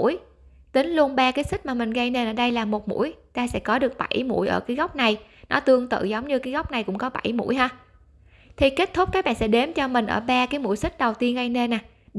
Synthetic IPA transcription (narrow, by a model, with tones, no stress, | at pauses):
j | t̪ï˨˦ŋ̟lu˧ənɓaː˧kaː˨˦jsï˦˥t̚maː˨˩mï˨˩ŋ̟ɣa˧jne˧nʔəː˧˩ɗə˧jlaː˨˩mo˨˩t̚mṵ˧˥əjt̪aː˧sɛ̰˧˥kɔ˨˦ɗɨ˨˩ək̚ɓa˧˩jmṵ˧˥jʔə̰ː˧˩kaː˨˦jɣa˦˥wk͡p̚na˨˩jnɔ˨˦t̪ɨ˧əŋt̪ɨ̰˧˨zə˨˦wŋ͡mɲɨ˧kaː˨˦jɣa˦˥wk͡p̚na˨˩jkʊ̰˧˥ŋ͡mkɔ˨˦ɓa̰˧˩jmṵ˧˥jɦaː˧ | t̪ʰi˨˩ke˦˥t̚t̪ʰʊ˦˥k͡p̚kaː˦˥k̚ɓa̰ː˧˨nsɛ̰˧˥ɗe˨˦mt͡ɕɔ˧mï˨˩ŋ̟ʔə̰ː˧˩ɓaː˧kaː˨˦jmṵ˧˥jsï˦˥k̚ɗə˨˩wt̪i˧ənɣa˧jne˧nːʔaː˨˩